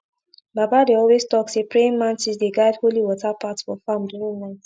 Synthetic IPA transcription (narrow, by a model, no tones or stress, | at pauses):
babadeɔlwestɔksepɹeĩŋmãntisdeɡaɪdholiwɔtapatsfɔfãmduɹĩnnaɪt